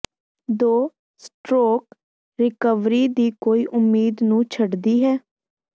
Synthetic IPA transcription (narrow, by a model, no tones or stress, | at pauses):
d̪oː | sʈɾoːk | ɾɪkəʋɾiːd̪iːkoːiːʔʊmːiːd̪nũːt͡ʃʰəɖd̪iːɦɛː